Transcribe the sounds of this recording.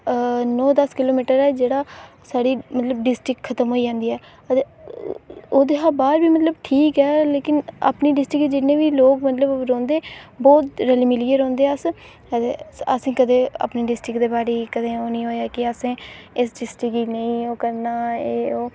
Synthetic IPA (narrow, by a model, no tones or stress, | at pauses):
nɔːd̪əskɪloːmiːʈəɾɛːd͡ʒeːɽaː | saːɽiːmət̪ləbɖɪsʈɪkʰət̪əmɦoːiːd͡ʒãːnd̪iːɛː | oːd̪eːɦabaːɾbiːmət̪ləbʈʰiːkɛːleːkɪna̰ːpniːɖɪsʈɾɪkid͡ʒɪnẽːʋiːloːkmət̪ləbɾɔ̃ːnd̪eːbɔːt̪ɾɛlimɪliːəɾɔ̃ːnd̪eːaəs | əd̪eəsẽːkəd̪eːə̰pniːɖɪsʈɾɪkd̪eːbaːɾeːkəd̪ẽːoːnəĩːɦoːjaːkɪəsẽːɪsɖɪsʈɪkiːnəĩːoːkəɾnaːeːoː